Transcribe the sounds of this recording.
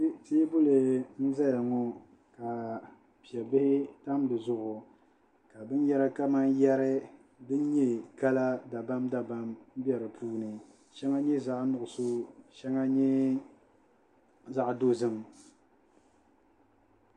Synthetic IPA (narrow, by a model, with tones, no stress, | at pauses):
te˦bʊ˦lɨ˨n̩˦za˦ja˨ŋɔ˦ | ka˨ | pi˨ɛ˨bɪ˦hɪ˦ta˦mdɨ˨zʊ˦ʔʊ˨ | ka˨bɨ˦n˦jɛ˦ɾa˦ka˦ma˦njɛ˦ɾɨ˦ | bɨ˦nɲɛ˦ka˦la˦da˨ba˦mda˨ba˦mm̩˦bi˦ɛ˨ɾɨ˨pʰuː˦nɨ˨ | ʃɛ˦ŋa˦ɲɛ˦za˦ʔnʊ˨ʔʊ˨so˦ʃɛ˦ŋa˦ɲɛ˦ | za˦ʔdo˦zɨ˦m